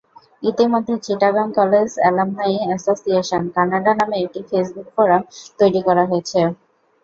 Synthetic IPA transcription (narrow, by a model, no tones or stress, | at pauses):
it̪imod̪ʱːet͡ɕiʈaɡɾamkɔled͡ʑɛ̰lamɦaiɛsosieʃonkanaɖanameek̚ʈifesbuk̚pɔɾat̪ojɾikɔɾaɦojet͡ɕʰe